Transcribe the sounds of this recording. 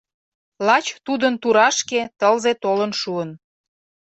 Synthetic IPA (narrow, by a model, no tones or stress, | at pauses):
lɑt͡ɕt̪ud̪ənt̪uɾɑʃket̪əlzet̪olənʃuən